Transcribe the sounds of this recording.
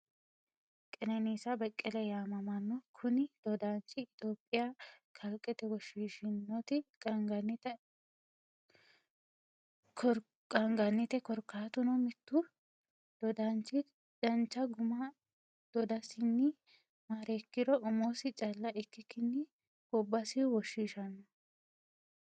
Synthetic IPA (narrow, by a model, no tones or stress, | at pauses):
kʼɛnɐniːsɐbɐkʼːɛlɛjaːmɐmɐnːɔkʰʊnɪd̪̥ɔd̪aːnt͡ʃːɪːt̪oːpʼːɪjakʰɐlkʼːɛt̪ɛwɔʃiːʃɪnːɔt̪ɪkʼɐŋɡɐnːɪt̪ɛ | k | kʼɐŋɡɐnːɪt̪ɛkɔɾkːaːt̪ʊnɔmɪt̪ːʊ | d̪̥ɔd̪ant͡ʃːɪ | d̥ɐnt͡ʃːɐɡʊmɐ | d̪̥ɔd̪ɐsɪnːɪ | maːɾɛkːɪɾɔʔʊmoːsɪt͡ʃʼɐlːɐʔɪkːɪkːɪnːɪ | bɔbːɐsɪwɔʃːiːʃɐnːɔ